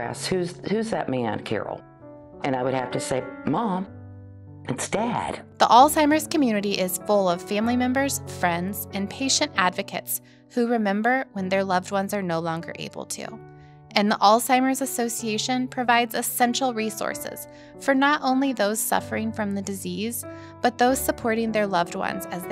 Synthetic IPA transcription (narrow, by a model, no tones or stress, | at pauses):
æ̰s̚hʉzhʉzðɨ̰t̚mæɨ̰̃nkʰɛ̰ɹl̩ˠ | ɨ̃naɪwɨd̚hæftɨseɪmɑ̃m | ɨtsd̥æd̥ðiʔɔlˠsãɪ̃mə˞z̥kʰɨmjʉnɨɾiʔɪz̥fʊlˠʌv̥fæ̃mlimɛ̃mbə˞z̥fɹɛ̃ndz̥ɨ̃npʰeɪʃɨ̃ntædvɨkʰɨ̰ts | huɹɨmɛ̃mbə˞wə̃nðə˞lʌvd̚wʌ̃nzə˞noʊlɔ̃ŋɡə̰˞ʔḛɪbl̩ˠtʰṵ | ɨ̃nðiʔɔlˠsãɪ̃mə˞zɨsoʊsieɪʃɨ̃npʰɹ̥ɨvaɪdzɨsɛ̃nʃl̩ˠɹisɔ̰ɹsɪ̰z̥ | fə˞nəɾʔõʊ̃nliðoʊz̥sʌ̰fə˞ɪ̃ŋfɹʌ̃mðɨdɨziz | b̥ʌt̪̚ðoʊz̥səpʰɔɹɾɪ̃ŋðə˞lʌvd̚wʌ̰̃nzɨz